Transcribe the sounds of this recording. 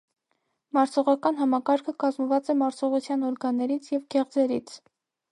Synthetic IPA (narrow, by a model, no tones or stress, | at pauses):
mɑɾt͡sʰɔʁɑkɑnɦɑmɑkɑɾkʰəkɑzməvɑt͡sɛmɑɾt͡sʰɔʁut͡sʰjɑnɔɾɡɑnːɛɾit͡sʰjɛvɡɛʁd͡zɛɾit͡sʰ